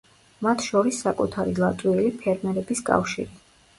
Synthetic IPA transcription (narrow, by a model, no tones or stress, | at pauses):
mat̪ʰʃɔɾisːakʼut̪ʰaɾilˠat̪ʼwiɛlipʰɛɾmɛɾɛbiskʼa̰fʃḭɾi